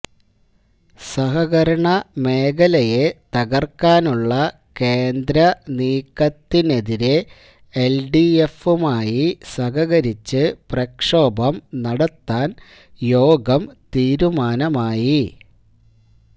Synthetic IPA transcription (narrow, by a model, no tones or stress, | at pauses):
sɐɦɐɣɐɾɐɳɐme̞ːɡɐlɐje̞t̪ɐɣɐrkːaːnuɭːɐ | keːnd̪ɾɐniːkːɐt̪ːine̞ðiɾe̞ | elɖiefumaːjisɐɣɐɣɐɾit͡ɕːɨprɐkʂo̞ːbɐmnɐɽɐt̪ːaːn | jo̞ːɡɐmt̪iːɾumaːnɐmaːji